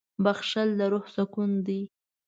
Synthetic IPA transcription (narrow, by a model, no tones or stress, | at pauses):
baxʃald̪aɾohsakund̪i